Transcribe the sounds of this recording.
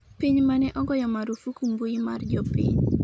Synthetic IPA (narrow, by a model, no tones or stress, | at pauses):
piɲmanɛʔɔɡɔjɔmaɾufukumbuimard͡ʒɔpḭɲ